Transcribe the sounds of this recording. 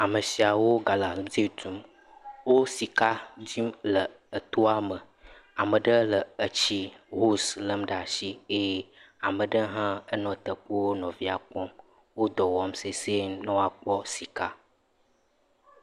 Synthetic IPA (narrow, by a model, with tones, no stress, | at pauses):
a˨mə˨si˨a˨wo˦ɡa˨la˨lmzi˦˨tu˦m | wo˦si˨ka˦d͡ʑi˦mlə˨ | ə˨t̪o˦a˦mə˨ | a˨mə˨ɖə˦lə˨ə˨t͡ɕi˦ɦo˦slə˨m˦ɖa˨ʃi˦e˦je˦ | a˨mə̃˨ɖə˦ɦã˦ə˦nɔ̃˨t̪ə˨k͡pu˦wo˦nɔ̃˨vi˦a˨k͡pɔ˦m | wo˦d̪ɔ˨wɔ˦mse˨se˦nə̃˦wa˨k͡pɔ˦si˨ka˦